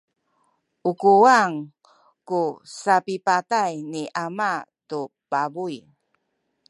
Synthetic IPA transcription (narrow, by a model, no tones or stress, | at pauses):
ʔukuaŋ | kusapipatajniʔamatupabuj